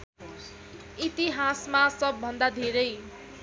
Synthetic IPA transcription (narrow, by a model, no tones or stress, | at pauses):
it̪iɦasmasʌbːʌnd̪ad̪ʱeɾʌj